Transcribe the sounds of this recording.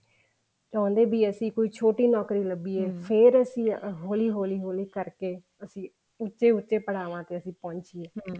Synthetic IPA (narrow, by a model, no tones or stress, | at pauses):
t͡ʃãːnd̪eːbiːəsĩːkoːiːt͡ʃʰoːʈiːnɔːkɾiːləbiːɛːpʰeɾəsĩːɦoːliːɦoːliːɦoːliːkəɾkeː | əsĩː | ʊtːʃeːʊtːʃeːpəɽaːʋãːt̪eːəsĩːpɔ̃ːɲt͡ʃiːeː